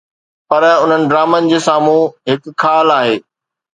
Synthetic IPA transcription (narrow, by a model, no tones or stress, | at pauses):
pɐɾʊn̤ənɪ̆ɖɾaːmənɪ̆d͡ʑeːsaːmũɦɪk̆kʰːaːlaːɦeː